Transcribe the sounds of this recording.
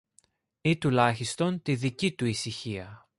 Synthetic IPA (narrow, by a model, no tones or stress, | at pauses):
it̪ulɐçist̪o̞nt̪iðicit̪uisiçiɐ